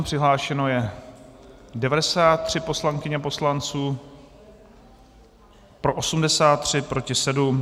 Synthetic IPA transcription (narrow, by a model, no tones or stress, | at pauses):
pr̥ɪɦlaːʃɛno̞jɛ | dɛvadɛsaːt̪ːr̝̥ɪpo̞slaŋkɪɲɛpo̞slant͡suː | pɾo̞ʔosumdɛsaːt̪ːr̝̥ɪpɾo̞cɪsɛdum